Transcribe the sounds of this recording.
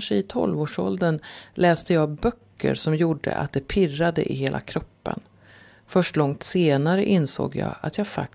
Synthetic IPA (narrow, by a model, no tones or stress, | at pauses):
ʂəɪt̪ʰɔ̰lvoːʂɔld̪ənlɛːst̪əjɑːbœkʰːə̰ɾʂɔmjuːɖə̰ʔa̰t̪̚d̪ɛpʰɪrːad̪əʔɪɦeːlʔa̰kʰɾɔpːə̰n | fœʂʈlɔŋt̪seːnaɾəʔɪnso̰ːɡjɑ̰ːat̪ʰjɑːfa̰k̚